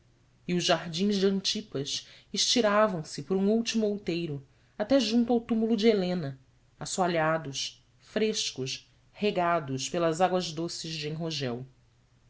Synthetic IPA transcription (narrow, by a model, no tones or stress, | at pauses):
iʊʒʒaɦd͡ʒĩzd͡ʒɪɐ̃nt͡ʃipɐsɪʃt͡ʃiɾavɐ̃w̃sɪpoɾũuwt͡ʃimuowt̪ejɾʊ | at̪ɛʒũnt̪uawt̪umulʊd͡ʒɪelẽnɐ | asuaʎad̪ʊʃ | fɾeʃkʊʃ | heɡad̪ʊspelɐzaɡwɐzd̪osɪzd͡ʒɪẽɦoʒɛw